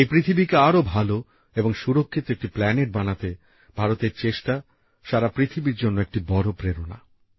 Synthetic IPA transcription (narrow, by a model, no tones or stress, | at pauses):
ejpɾit̪ʰibikeaɾobʱalo | eboŋʃuɾokʰːit̪oek̚ʈiplɛneʈ̚banat̪e | b̥ʱaɾot̪eɾt͡ɕeʃʈa | ʃaɾapɾit̪ʰibiɾd͡ʑonːoek̚ʈibɔɾopɾeɾona̰